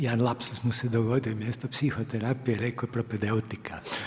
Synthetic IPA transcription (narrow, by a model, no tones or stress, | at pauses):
janlapsusmusɛd̪oɡoːd̪imjeːst̪opsixot̪ɛɾaːpijɛɾekopɾɔped̪ɛwt̪ikʰa